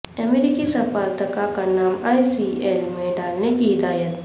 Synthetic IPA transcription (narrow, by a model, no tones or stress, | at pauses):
ɐmeɾikisɐpaːɾt̪əkakanaːmaːjsielmẽɖaːlnekiɦɪd̪aːjət̪